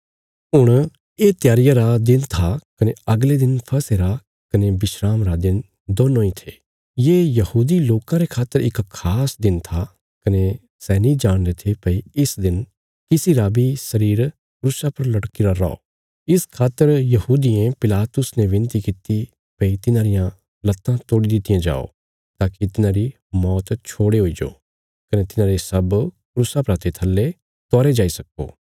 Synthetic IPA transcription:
ɦʊɽ̃ | eːt̪jaːɾɪjaɾad̪ɪnt̪ʰakɐneɐɡled̪ɪnpʰɐseɾa | kɐnebɪʃɾaːmɾad̪ɪn | d̪oːnːõːĩt̪ʰeː | jeːjɐhuːd̪iloːkãɾekʰaːt̪ːəɾɪkkʰaːsd̪ɪnt̪ʰa | kɐne | sɛːnĩd͡ʒaːɽ̃d̪et̪ʰepɐiɪsd̪ɪn | kɪsiɾabisɐɾiːɾ | kɾʊsapɐɾlɐɽkiɾaɾa̰o̰ː | ɪskʰaːt̪ːəɾjɐhuːd̪ijẽpɪlaːt̪ʊsneʋɪ̃nt̪ikɪt̪i | pɐit̪ɪnãːɾɪjã | lɐt̪ːãt̪oːɽid̪ɪt̪ɪjãd͡ʒa̰ːo̰ | t̪aːkit̪ɪnãːɾi | mɔːt̪t͡ʃʰoːɽeɦoːid͡ʒo̰ː | kɐnet̪ɪnãːɾesɐbkɾusapɐɾat̪ʰet̪ʰɐlːe | t̪ɔːɾed͡ʒaːisɐko̰ː

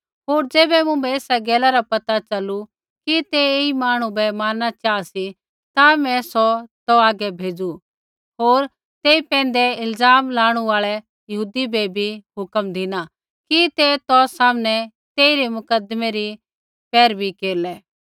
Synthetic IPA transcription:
ɦoːɾd͡ʒeːbɛmʊ̃bɛeːsaɡɛːlaɾapɐt̪at͡ʃɐlu | kit̪eeimaːɽ̃ũbɛmaːnːat͡ʃaːsi | t̪amɛ̃sɔt̪ɔaːɡɛbʱeːd͡ʒu | ɦoːɾ | t̪eːipɛ̃ːn̆d̪ɛɪlzaːmlaːɽ̃uaːɭɛ | jɐɦuːd̪ibebʱiɦʊkəmd̪ʱɪna | kit̪et̪ɔːsaːmnɛ | t̪eːiɾemʊkəd̪mɛɾi | pɛːɾbʱikeːɾlɛː

